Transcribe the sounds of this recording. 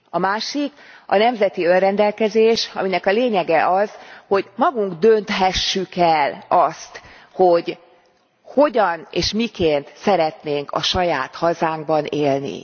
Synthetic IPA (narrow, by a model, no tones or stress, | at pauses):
ɒmaːʃikɒ̰nɛmzɛt̪iø̞nrɛnd̪ɛlkɛzeːʃɒ̰minɛkɒleːɲɛɡɛʔɒzho̞ɟmɒɡuŋɡd̪ønt̪ɦɛʃːykɛlɒst̪ | ho̞ɟ | ho̞ɟɒneːʃmikeːnt̪sɛɾɛt̪neːŋkʰɒ̰ʃɒjaːt̪hɒzaːŋɡ̚bɒneːlnḭ